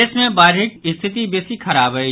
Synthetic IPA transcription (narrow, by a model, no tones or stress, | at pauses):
eːsmẽbaːɾɦɪkɪst̪ʰɪt̪ibesikʰɐɾaːbɦəi